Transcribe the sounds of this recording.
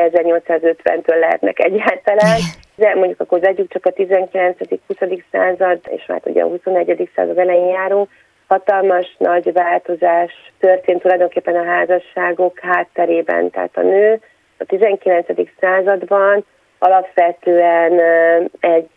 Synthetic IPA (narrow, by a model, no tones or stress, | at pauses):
ɛzɛrɲo̞lt̪saːzø̞t̪ʋɛ̰nt̪øːlːɛɦɛ̰t̪nɛ̰kɛ̰ɟːaːlt̪ɒlaːn | d̪ɛmoɲɟukɒkorzɛɟyk̚t͡ʃɒkɒt̪izɛŋkilɛnt̪sɛd̪ikhusɒd̪iksa̰ːzɒd̪ḛːʃma̰ːt̪hoɟɛ̰ɦuso̞nɛɟːɛd̪iksa̰ːzɒd̪ɛlɛjeɲjaːɾoŋ | hɒt̪ɒlmɒʃnʔɒɟvaːlt̪o̞zaːʃt̪ørt̪eːnt̪ːulɒjd̪o̞ŋkeːpːɛnɒɦaːzɒʃːaːɡo̞khaːt̪ːɛɾeːbɛ̰nt̪ɛ̰ɦa̰t̪ɒ̰nøː | ɒt̪izɛŋkilɛnt̪sɛd̪iksaːzɒd̪bɒn | ɒlɒpʋɛt̪øːɛnɛɟ